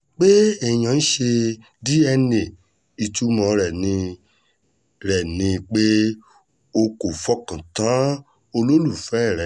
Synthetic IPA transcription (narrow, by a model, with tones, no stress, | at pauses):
k͡pe˦ɛ˦˨j̃ã˨n̩˦ʃe˧ | di˦ɛ˧nĩ˨ | i˧tu˦mɔ̃˧ɾɛ˨nĩ˧ | ɾɛ˨nĩ˧k͡pe˦ | o˧ko˨fɔ˦kã˨tã˨˦ | o˧lo˦lu˦˨fɛ˦˨ɾɛ˨